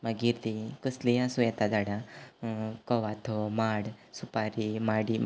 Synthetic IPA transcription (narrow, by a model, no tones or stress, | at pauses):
maɡiɾd̪ikəsliasũjɛt̪ad͡zaɽa | kɔʋat̪ʰɔmaɽsupaɾimaɽi